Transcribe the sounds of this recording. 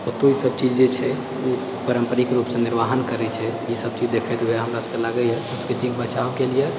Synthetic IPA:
ot̪oisəb̚t͡ʃid͡ʒd͡ʒet͡ʃʰɛ | o | pəɾəmpəɾikeɾupsẽniɾʋaɦənkəɾɛt͡ʃʰɛjisəb̚t͡ʃid͡ʒd̪ekʰɛt̪uɦɛɦəmɾasəkelaɡəjɦɛsə̃nskɾit̪ikbət͡ʃawkelije

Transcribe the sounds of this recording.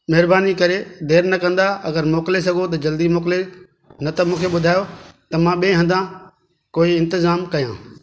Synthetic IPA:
mɐɦɪɾbaːnikɐɾed̪eːɾnɐkɐ̃nd̪aɐɡəɾmoːkles̬ɐɡʱot̪̬ɐd͡ʑɐld̪imoːkle | nɐt̪ɐmũːkʰeɓʊd̪ʱaːjot̪ɐmãːɓiẽɦɐ̃nd̪ã | koːiɪ̃nt̪ɪzaːmkɐjã̰ː

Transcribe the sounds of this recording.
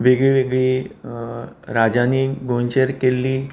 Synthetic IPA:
ʋeɡɭiʋeɡɭiː | ɾad͡ʑaniɡʱont͡ɕəɾkelːiː

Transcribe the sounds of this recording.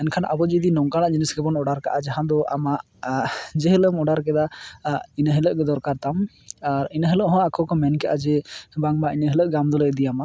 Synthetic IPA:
ɛnkʰanʔa̰bɔd͡ʒid̪inɔŋkaɽaʔd͡ʒinisɡɛbɔnɔɽaɾkaʔad͡ʒaɦãd̪ɔʔamaʔ | d͡ʒɛɦələmɔɖaɾkɛd̪a | inəɦələʔɡɛd̪ɔɾkaɾt̪am | aɾinəɦələʔɦɔ̃akʰɔkɔmɛnkɛʔad͡ʒɛbaŋbaʔinəɦələʔɡamd̪ɔlɛd̪ijama

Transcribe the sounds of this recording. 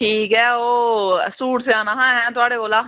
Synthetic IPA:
ʈʰiːkɦɛːoːsuːʈseaːnaɦãɦɛ̃t̪ʊaːɽeɡoːlaː

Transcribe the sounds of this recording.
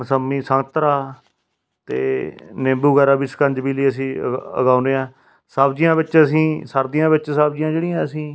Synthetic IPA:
məsəmːiːsəŋɡt̪ɾaː | t̪ḛːnẽːmbuːɡɛːɾaːbiːsə̥kəɲd͡ʒbiːliːəsĩːə̰ɡaːʊneːãː | saːbd͡ʒijãːbɪt͡ʃəsĩːsəɾd̪ɪjãːbɪt͡ʃsaːbd͡ʒijãːd͡ʒeːɽĩãːəsĩː

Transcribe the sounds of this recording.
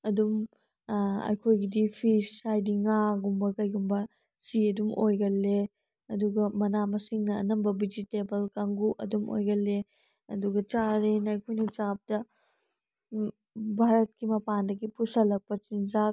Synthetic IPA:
ɐdum | ɐ̰jkʰojɡidipʰisajdiŋaɡumbɐkɐjɡumbɐ | siɐdumojɡɐlːe | ɐduɡɐmɐnamɐsiŋnɐ̰ːnɐmbɐbid͡ʒitebɐlkaŋɡuʔɐ̰dumʔo̰jɡɐlːe | ɐduɡɐt͡ʃaɾenːjkʰojnit͡ʃap̚dɐ | bʱaɾɐt̚kimɐpandɐɡipusɐlɐk̚pɐt͡ʃind͡ʒak̚

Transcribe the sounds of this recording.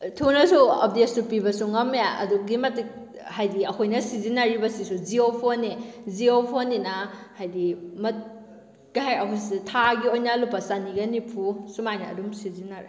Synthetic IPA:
tʰunɐsuo̰p̚detssupibɐsuŋɐmeɐ̰duɡimɐti | hajdiɐkʰojnɐsizinaɾibɐsisuziopʰoniziopʰoninahajdimɐt̚ | ɡ̥aɦajɐkʰojsitʰaɡiojnɐlupːɐsaniɡɐnipʰusumajnɐɐ̰dumsizinaɾe

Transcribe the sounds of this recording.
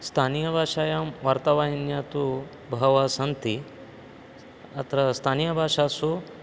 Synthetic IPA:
st̪ʰaːnijɐbʱaːʂaːjaːmʋaɾt̪ɐʋaːjinjaːt̪u | bʱɐɦɐʋaːsɐnt̪i | ɐt̪ɾɐst̪ʰaːnijɐbʱaːʂaːsu

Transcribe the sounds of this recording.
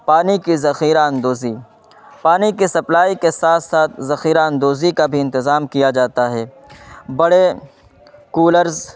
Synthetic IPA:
paːnikizɐxiːɾaːənd̪oːzi | paːnikisɐplaːikesaːt̪ʰsaːt̪̚ʰzɐxiːɾaːənd̪oːzikabʱiɪ̃nt̪ɪzaːmkijad͡ʒaːt̪aɦɛː | bɐɽe | kuːləɾz

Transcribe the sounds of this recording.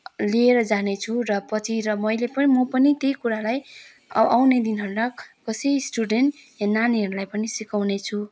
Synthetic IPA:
lieɾʌd͡zanet͡sʰurʌpʌt͡sʰiɾʌmʌjlepʌnimʌpʌnit̪ejkuɾalaj | awned̪inɦʌɾunʌkʌsejsʈuɖenʈ | enːaniɦʌɾulajpʌnisikawnet͡sʰu

